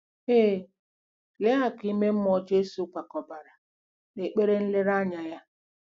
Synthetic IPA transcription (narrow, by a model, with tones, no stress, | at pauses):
eː˦˨ | le˦a˨ki˦me˦m̩˦mɔ˦d͡ʒe˦su˦kʷa˨kɔ˨ba˨ɾa˨ | ne˨k͡pe˦ɾe˦n̩˦le˦ɾa˦ɲa˨ja˦